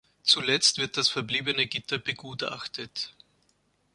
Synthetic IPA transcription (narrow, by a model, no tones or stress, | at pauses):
t͡sulɛt͡stv̥ɪɐt̚d̥asfɛɐbliːbənəɡɪtɐbəɡuːta̰xtʰət